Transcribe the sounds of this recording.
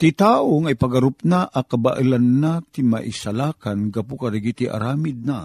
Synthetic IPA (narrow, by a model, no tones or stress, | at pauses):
t̪it̪aːoŋajpaɡaɾʊp̚naʔʔakabaʔɨlanːat̪ima̰ʔisalaːkanɡapukaɾiɡit̪iʔa̰ɾaːmɪd̪̚na